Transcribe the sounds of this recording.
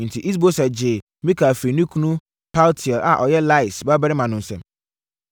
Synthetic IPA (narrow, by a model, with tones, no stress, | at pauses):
n̩˨tʰi˨ʔi˦s̬bo˦sa˨d͡ʑɪ˨ | mĩ˦kʰa˨fi˨nũ˦kʰu˦nũ˦ | pʰa˦ltʰɪ˨ɔ˨la˨ʔɔ˨jɛ˦la˦ɪ˨sba˦bɛ˦ɾɪ˦mã˨nʊ̃˨n̩˨sɛ̰̃˨m